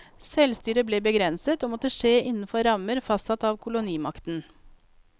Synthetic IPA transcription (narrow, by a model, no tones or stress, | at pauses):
sɛlst̪yːɾəbleːbəɡɾɛnsət̪oːmɔt̪əʂeːʔɪnn̩fɔɾɑməɾfɑst̪sɑt̪ɑːʋkʰʊlʊniːmɑkt̪n̩